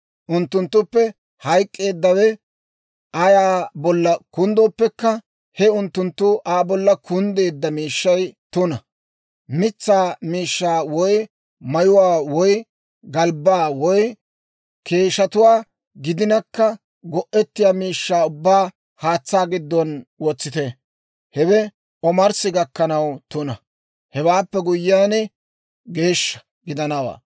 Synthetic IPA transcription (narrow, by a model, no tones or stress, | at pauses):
ʔʊnt̪ːʊnt̪ːʊpːɛ | hɐjkʼːe̞ːd̪ːɐwɛ | ʔɐjaːbɔlːɐkʊnd̪oːpːɛkːɐ | hɛʊnt̪ːʊnt̪ːʊʔaːbɔlːɐkʊnd̪e̞ːd̪ːɐmiːʃːɐjt̪ʊnɐ | mɪt͡sːaːmiːʃːaːwɔj | mɐjʊwaːwɔj | ɡɐlbaːwɔj | kʰe̞ːʃɐt̪ʊwaː | ɡɪd̪ɪnɐkːɐ | ɡɔʔɛt̪ːɪjaːmiːʃːaːʊbːaː | haːt͡sːaːɡɪd̪ːɔnwɔt͡sːɪt̪ɛ | hɛwɛ | ɔmɐɾsɪɡɐkːɐnɐwt̪ʊnɐ | hɛwaːpːɛɡʊjːaːnɛ | ɡe̞ːʃːɐ̥ | ɡɪd̪ɐnɐwa̰ː